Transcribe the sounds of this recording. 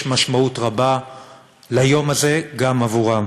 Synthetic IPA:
ʃmaʃmautʁaba | lajo̞maze̞ɡamavuʁa

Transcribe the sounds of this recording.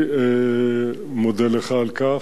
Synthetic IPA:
mod̪ɛleχaːlka

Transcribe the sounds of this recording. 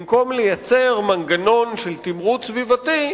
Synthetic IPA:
mko̞mlejat͡seʁmanɡano̞nʃelt̪imʁut̪svivat̪i

